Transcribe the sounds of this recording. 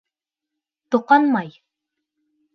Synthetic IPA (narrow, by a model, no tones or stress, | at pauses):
t̪ŏqɑnmɑj